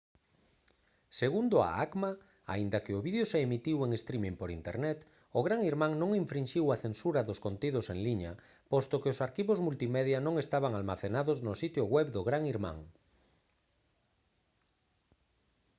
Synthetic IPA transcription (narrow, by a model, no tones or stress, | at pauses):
seɣund̪ʊa̰akma | a̰ind̪akɪʊβiðjoseemit̪iweŋest̪ɾimĩŋpoɾḭnt̪ḛɾnɛt̪ | ʊɣɾaŋiɾmãŋnõŋiɱfɾinʃiwaθensuɾaðʊskont̪ið̞oseŋliɲa | post̪okɪʊsaɾkiβozmult̪imɛðjanõŋest̪aβaŋalmaθenaðoznʊsit̪jʊɣwɛβd̪ʊɣɾaŋiɾmã̰ŋ